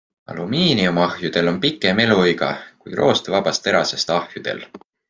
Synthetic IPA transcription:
ɑ̰lumiːniumɑhjud̪̥e̞lo̞npikːˑeme̞lujɡɑ̰kujrʔo̞ːst̪evɑb̥ɑst̪e̞ɾɑse̞st̪ɑhjud̪̥e̞̰l

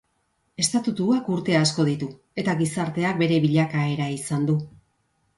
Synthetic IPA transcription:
e̞st̪at̪ut̪uakuɾt̪e̞asko̞ð̞it̪u | e̞t̪aɣisaɾt̪e̞ak̚be̞ɾe̞βiʎakae̞ɾaisand̪u

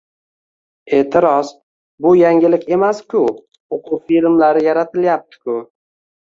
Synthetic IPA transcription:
e̞ʔt̪ʰɪɾɒz | bʊjaŋʲɪlɪkʲʰe̞maskʲʰʊ | oqʰufilmlaɾɪjaɾat̪ʰɪljap̚t̪ʰɪ̥kʲʰʊ

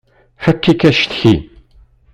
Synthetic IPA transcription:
ħakːikæʃt̪çḭ

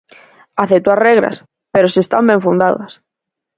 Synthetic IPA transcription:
aθet̪uareɣɾa̰s | peɾosiest̪ambeɱfund̪aða̰s

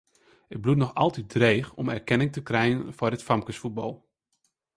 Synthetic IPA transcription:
ət̚blutnɔxɑlˠtidreːxɔmɛrkɛnɪŋtəkrɛjənfɔɹətfɑmkəsfut̚bɑlˠ

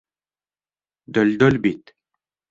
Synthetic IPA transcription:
d̪œlʲd̪œlʲbit̪

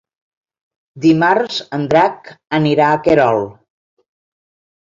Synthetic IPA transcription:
d̪imaɾzənd̪ɾakəniɾaəkeɾɔlˠ

